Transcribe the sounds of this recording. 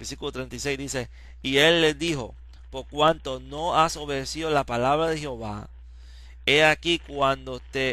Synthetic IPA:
beɾsikulot̪ɾent̪ajsejzd̪ise̞ | ielːezd̪iho̞̰ | poɾkwant̪o̞noaso̞βe̞ðesiðolapalaβɾaðexeo̞βa̰ | eakikwand̪ot̪e

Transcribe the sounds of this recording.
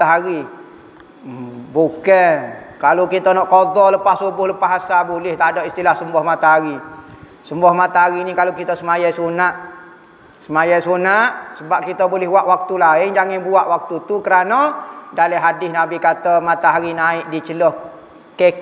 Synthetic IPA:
aɦaɾi | bukɛkalokit̪ənɔʔkod̪ɔləpassubʊhləpaɦasabulɪht̪adoʔist̪ilahsəmbɔhmat̪aɦaɾi | səmbɔhmat̪aɦaɾinikalokit̪əsəmajajsunaʔ | səmajajsunaʔsəbap̚kit̪əbolɪhɦwaʔwak̚t̪ulaɪŋd͡ʒaŋɪnbuaʔwak̚t̪ut̪ukəɾanɔdaliɦadɪsnabikat̪amat̪aɦaɾinaɪʔ̚dit͡ʃəlɔh | kɛ

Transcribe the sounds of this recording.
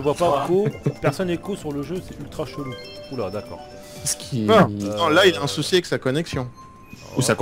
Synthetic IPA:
ʒəvwapakopɛʁsɔnekosyʁləʒøsɛylt̪χaʃolu | ulad̪akɔ̰ːʁ | sə̥kʲʰivaɔ̃lailaɛ̃susiaɛksakɔnɛksjɔ̃ | usakɔ̃

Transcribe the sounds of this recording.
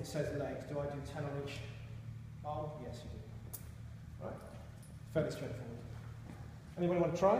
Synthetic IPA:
ɪtsɛzleɪkd̥əaɪdɨtʰɛ̃nə̃niˑt͡ʃ | oʊjɛsjɨdɪd̥ | ɹa̰ɪt | fɛʔɪstɹɛ̃ɪ̃fɔwəd̥ | ɛñibɔɾiwʌ̃ntʰɹ̥aɪ

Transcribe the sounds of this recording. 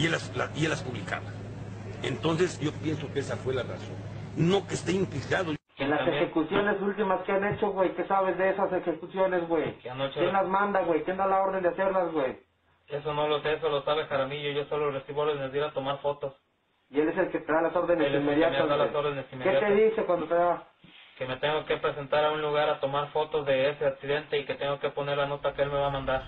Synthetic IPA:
elaslaielaspuβlika̰βa | ḛnt̪o̞ns̬e̞sɟ͡ʝo̞pjenso̞keesafwe̞lara̰sõ̞̰n | no̞kest̪eiŋpliɾaðo | enlasexekusjo̞ne̞sult̪imaskeane̞t͡ʃo̞ɣwejkesaβ̞ezðeesasexekusjo̞nezɣwejanojenlazmãnd̪aɣwe̞jkjend̪alao̞ɾðend̪ease̞ɾlazɣwej | es̬onoloses̬olosaβexaɾamiʝoʝosoloresiβooɾðenezðiɾat̪o̞maɾfo̞t̪os | ie̞le̞s̬e̞lket̪e̞ðalaso̞ɾðenesimeðjat̪azalsoɾðenesimekeat̪eðise̞kwand̪ot̪eða | keme̞t̪eŋɡoke̞pɾese̞nt̪aɾaunluɣaɾat̪o̞maɾfo̞t̪ozðe̞eseaksiðent̪eiket̪eŋɡoke̞po̞neɾlano̞t̪akeelmeβamãnd̪aɾ

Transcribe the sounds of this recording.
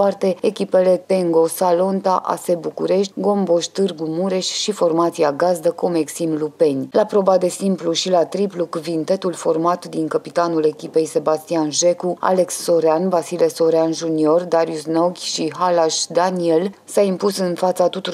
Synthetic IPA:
art̪e̞ekʲipe̞le̞t̪e̞ŋɡo̞salo̞nt̪aʔa̰se̞bukuɾe̞ʃ̬t̪ʲɡo̞mbo̞ʃt̪ɨrɡumuɾe̞ʃʲʃifo̞rmat̪siaɡazd̪əko̞meksimlupe̞nʲlapɾo̞bad̪e̞simpluʃilat̪ɾiplukuvint̪e̞t̪ulfo̞rmat̪d̪iŋkəpit̪anule̞kʲipe̞jse̞bast̪ianʒe̞kua̰le̞ksːo̞ɾeanvasileso̞ɾeanʒunio̞rd̪aɾijusnoɡʲʃiɦalaʃd̪aniel | saimpusɨnfat̪sat̪ut̪uɾ

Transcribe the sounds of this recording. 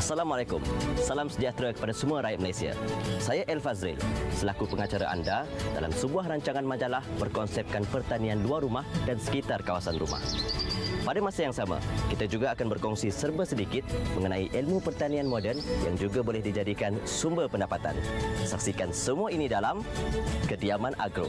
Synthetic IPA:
asalamalakʊmsalamsəd͡ʒat̪ɾakə̥padasəmuaɾajat̪̚məlajsia̰sajaʔɛlfazɾḭlsəlakupəŋat͡ʃaɾa̰ʔa̰ndada̰la̰msəbuaɦraɲt͡ʃaŋanmad͡ʒalahbərkɔnsɛp̚kanpərt̪anĩanluarːumahdansə̥kit̪arkawasanrṵma̰h | padamasajaŋsama̰kit̪ad͡ʒuɡaːkanbərkɔŋsisərbəsədikɪt̪̚məŋənãiʔɛlmupərt̪anĩanmodɛrnja̰ŋd͡ʒuɡabolɛhdid͡ʒadikansumbərpəndapat̪a̰nsak̚sikansəmuainidalamkədiamãnʔa̰ɡɾo̰

